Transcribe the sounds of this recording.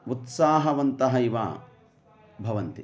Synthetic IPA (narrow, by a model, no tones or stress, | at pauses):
ut̪saːɦɐʋɐnt̪ɐɦɐiʋa̰ | bʱɐʋɐnt̪i